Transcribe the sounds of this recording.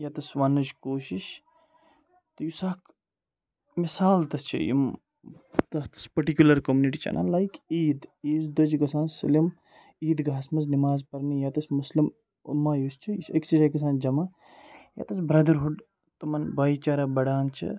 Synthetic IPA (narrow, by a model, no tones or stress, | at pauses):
jɐt̪ɐsʋɐnːɐt͡ʃkoːʃiʃ | t̪ɨjusaːk | misaːlt̪ɐst͡ʃʰḭjḭm | t̪ɐt̪ɐ̥spɐɾʈikʲjulɐɾkɐmjuːniʈit͡ʃʰɐ̰na̰ːlajkiːd̪iːzd̪ɐd͡ʒɡɐsãːnsɐ̰lim | iːd̪ɡaːsmɐznimaːzpɐɾnijat̪ɐsmuslim | ṵmːajust͡ʃʰijsɐ̰ksid͡ʒakɐs̬ãːnd͡ʒɐmaː | ja̰t̪ɐsbɾɐd̪ɐɾɦuɖ | t̪ɐmɐnbaːit͡ʃaːɾabɐɽaːnt͡ʃʰɐ̰